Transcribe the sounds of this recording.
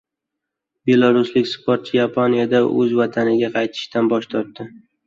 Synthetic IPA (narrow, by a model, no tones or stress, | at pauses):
be̞lˠaɾʊslɪkʲspʰoɾt̪̚t͡ʃʰɪjapʰonijad̪aʔɵ̰zvat̪ʰanɪɡʲaqʰɑjt̪ʰɪ̥ʃt̪anbɒʃt̪ʰɒɾt̪ːɪ